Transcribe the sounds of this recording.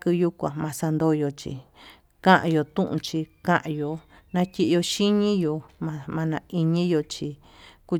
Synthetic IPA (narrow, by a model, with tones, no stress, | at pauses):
kɨ˧ju˦kʷã̰˨mã˨˧sa˧nd̪o˧jo˧t͡ʃḭ˧ | kã˦ʔã̰˧jo˧t̪ũ˦ʔṵ̃˧t͡ʃi˧kã˦ʔã˧jo˨ | nã˧tʲi˦˧ʔjo˧ʃi˦ɲĩ˦jo˨mã˧mã˧nã˧i˧ɲĩ˦jo˧t͡ʃi˧ | ku˧